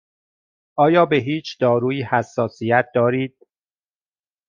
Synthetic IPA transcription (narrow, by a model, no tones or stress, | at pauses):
ʔɒːjɒːbe̞ɦiːt͡ʃʰd̪ɒːɾuːiːhæsːɒːsijæt̪̚d̪ɒːɾiːd̪̥̚